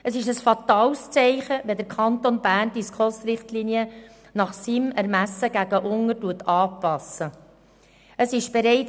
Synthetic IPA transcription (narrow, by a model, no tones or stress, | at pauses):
əsɪʃəsfɑt̪ɑːlst͡sɛɪχəʋɛd̪əɾkʰɑnt̪onbæːrnd̥iskʰosɾɪχtliːniə | nɑχsimɛɾmæsːəɡ̥æɡəʔʊŋəɾtuətɑːpɑsə | əsɪʃb̥ɛɾɛɪt͡s